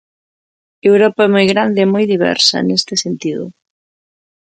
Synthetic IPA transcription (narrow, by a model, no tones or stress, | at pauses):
ewɾɔpaɛmojɣɾand̪eːmɔjðiβ̞ɛ̰ɾsɐ̰nest̪ɪsent̪iðʊ̰